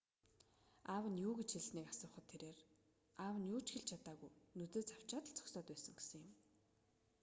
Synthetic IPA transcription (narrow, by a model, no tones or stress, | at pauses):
aːwə̆njuːɡet͡ɕxeɮsniːkasʊːχə̆t̪ʰːeɾeːr | aːwə̆njuːt͡ɕxĕɮt͡ɕʰat̪aːɣujnɵt̪eːt͡saw̥t͡ɕaːt̪ə̆ɮt͡sʰɔ̥ksɔːt̪pæːsə̆ŋɡesɘ̆ŋjɪ̆m